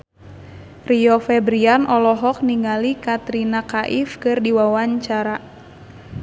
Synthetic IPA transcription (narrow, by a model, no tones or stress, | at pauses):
riɔfɛbɾianʔɔlɔɦɔk̚niŋalikat̪ɾinakaʔifkɨrdiwawaɲt͡ʃaɾa